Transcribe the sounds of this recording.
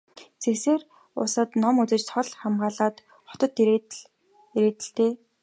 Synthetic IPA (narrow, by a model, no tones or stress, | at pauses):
t͡sʰekseːr | ʊ̰sə̆t̪nɔmut͡sɘ̆t͡ɕt͡sʰɔɮχamɢaːɮaːt̪ | χɔ̥t̪ɞ̆t̪ | eɾeːt̪ɘ̆ɬt̪eː